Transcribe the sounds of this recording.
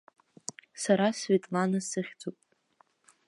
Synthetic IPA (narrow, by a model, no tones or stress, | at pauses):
saɾasvetʼlanasɨχʲd͡zopʼ